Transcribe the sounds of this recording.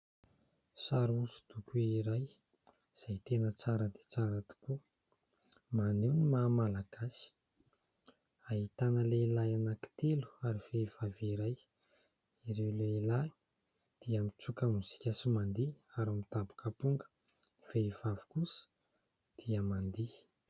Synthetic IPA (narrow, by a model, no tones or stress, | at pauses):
saɾusu̥t̪ukuiɾaj | z̥ajt̪enət͡saɾəd̪e̥t͡saɾat̪u̥ku | manewnimamalaɡ̥asi̥ | aɦit̪anəleilajanaki̥t̪elu̥aɾiveiv̥aviɾaj | iɾewleila | d̪̥iamit͡sukəmuz̥i̥kʲasimand̪iaɾamit̪abu̥kapuŋɡə̥ | v̥eivavi̥kusə̥ | d̪̥iəmand̪i